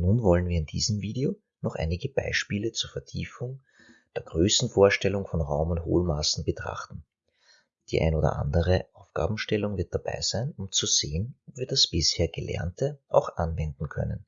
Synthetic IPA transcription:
nuːnvɔlənviːɐɪndḭːzəmviːdeo | nɔχʔa̰ɪnɪɡəb̥a̰ɪʃpiːlət͡suːɐfɛɐtʰiːfʊŋ | d̥eːɐɡ̥ʁøːsn̩foːɐʃtɛlʊŋfɔnʁaʊmʊntho̰ːlmaːsn̩b̥ətʁ̥a̰χtn̩ | d̥iːʔa̰ɪnoːdɐ̰ʔa̰ndəʁəʔaʊfɡ̥a̰ːbm̩ʃtɛlʊŋvɪɐt̚d̥aba̰ɪz̥æɪnʊmt͡suz̥eːənɔpviːɐdasb̥ɪsheːɐɡ̥əlɛ̰ɐntəʔa̰ʊxʔanvɛndn̩kʰœ̰nə̰n

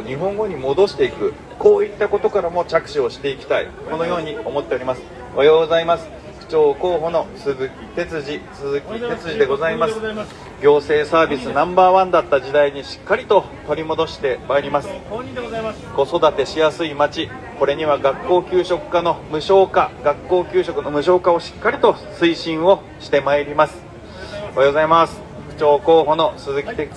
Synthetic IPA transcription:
ɲ̟iɦõ̞ŋɡo̞ɲ̟imo̞d̪o̞ɕi̥t̪e̞ikɯ̟ | ko̞ːit̪ːako̞t̪o̞kaɾamo̞t͡ɕakɯ̟̥ɕio̞ɕi̥t̪e̞ikʲi̥t̪aḭ | ko̞no̞jo̞ːɲ̟io̞mo̞t̪ːe̞oɾʲimasɨ̥ | ajoːɡo̞zaimasɨ̥ | ɸɯ̥t͡ɕo̞ːko̞ːɦo̞no̞sɨɨkʲt̪e̞t͡sɨʑisɨzɨkʲit̪et͡sɨʑid̪e̞ɡo̞zaimasɨ̥ | ɡʲo̞ːse̞ːsaːbʲisɨnãmbaːβãnd̪at̪ːaʑid̪aiɲ̟iɕi̥kːaɾʲit̪o̞ | t̪o̞ɾʲimo̞d̪o̞ɕi̥t̪e̞maeɾʲimasɨ̥ | ɡ̥o̞so̞d̪at̪e̞ɕijasɨimat͡ɕi | ko̞ɾe̞ɲ̟iβaɡakːo̞ːkʲɨːɕo̞kɯ̟̥kano̞mɯ̟ɕo̞ːkaɡakːo̞ːkʲɨːɕo̞kɯ̟no̞mɯ̟ɕo̞ːkao̞ɕi̥kːaɾʲit̪o̞sɨiɕĩɰ̃o̞ | ɕi̥t̪e̞maeɾʲimasɨ̥ | oajɡozaimasɨ̥ | kɯ̟̥t͡ɕo̞ːko̞ːɦo̞no̞sɨzɨkʲie

